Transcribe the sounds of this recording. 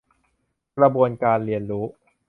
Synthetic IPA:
kɾa˧bu˧ənkaː˧nli˧ənɾuː˦˥

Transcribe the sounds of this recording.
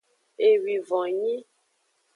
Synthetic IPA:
e˨wi˨vɔ̃˨ɲĩ˦

